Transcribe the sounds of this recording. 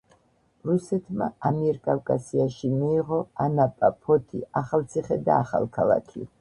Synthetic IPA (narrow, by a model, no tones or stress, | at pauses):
ɾusɛt̪ʰma̰amiɾkʼawkʼasiaʃimiːʁɔanapʼapʰɔt̪ʰiaχalˠt̪sʰiχɛd̪aːχa̰lˠkʰalˠa̰kʰḭ